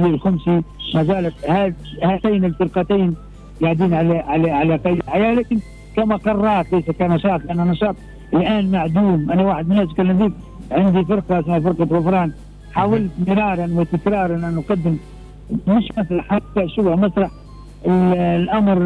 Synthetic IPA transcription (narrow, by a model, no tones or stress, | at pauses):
lxamsimæzæːlt̪hæːhæt̪æjnɪlfɨɾqɑt̪ijn | ɡaʕd̪iːnʕalæʕalʕalæqɑjd̪lħajæːlæːkɪn | kæmæqɑrˤːɑːt̪læjsækænɑʃɑːt̪ˤlʔænːænɑʃɑːt̪ˤ | ɪlʔæːnmaʕd̪uːmʔænæwaːħəd̪mɪnhæːt̪̚kælːɪmd̪iːk | ʕɪnd̪ifɪɾˤqɑsmːæfɪɾˤqɑt̪ɣɑfɾˤɑːn | ħaːwɪlt̪mɪɾɑːɾˤɑnwɪt̪ɪkɾɑːɾˤɑnʔænqɑd̪ːɪm | mɪʃmæsɾɑħat̪ːæʃʊbmasɾˤɑħ | ɪlʔamɾ